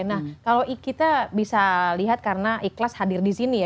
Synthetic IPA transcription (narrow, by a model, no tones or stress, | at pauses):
nahkaloʔikit̪abisaliɦat̪̚karənaʔiklashadɪrdisinij